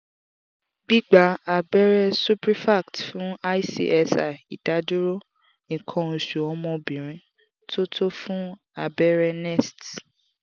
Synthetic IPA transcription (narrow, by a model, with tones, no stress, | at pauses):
bi˦ɡ͡ba˨˦a˨bɛ˦ɾɛ˧su˦pɾi˦fa˦˨ktfũ˦a˦i˦sḭ˧˨ʔɛ˧sa̰˨i˨d̥a˨˦du˦ɾo˦ | ĩ˨kʰɔ̃˧˨ʃu˨ɔ˧˦mɔ̃˧bĩ˨ɾ̃ĩ˧˦ | tʰo˦tʰo˦fũ˦ | a˨bɛ˦ɾɛ˧nɛ˦˨st